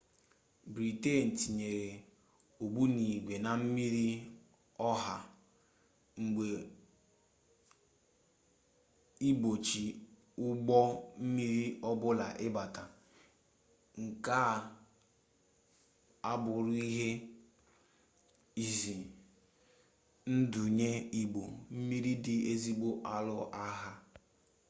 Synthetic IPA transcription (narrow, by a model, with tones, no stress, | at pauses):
bɾi˨te˦˨n̩˨ti˨ɲe˨ɾe˨ | o˨bu˦ni˨ɡʷe˨na˨m̩˦mi˦ɾi˦ | ɔ˦ɦa˨ | ŋ͡m̩˨ɡ͡be˨ | i˦bo˨t͡ʃi˨ | ʊ˦ɡ͡bɔ˦m̩˦mi˦ɾi˦ɔ˦bʊ˦la˨ʔɪ˦ba˨ta˨ | ŋ̩˨ka˦˨ | a˦bʊ˨ɾʊ˦i˦ɦe˦ | i˨zi˨ | n̩˦dʊ˨ɲe˦i˨ɡ͡bo˨m̩˦mi˦ɾi˦dɪ˨e˦zi˦ɡ͡bo˦ʔa˦lʊ˦ʔa˦ɦa˦